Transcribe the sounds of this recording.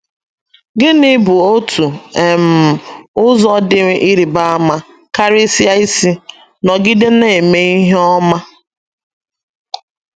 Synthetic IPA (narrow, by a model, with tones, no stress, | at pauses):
ɡɪ˦nɪ˦bu˨o˦tu˨e˨m̩˨ʊ˦zɔ˦dɪ˦ŋ˦ʔi˦ɾi˨ba˦a˦ma˦ | ka˦ɾɪ˦si˦a˦i˦si˦ | nɔ˨ɡɪ˦de˦ne˨me˦i˦ɦe˦ɔ˦ma˦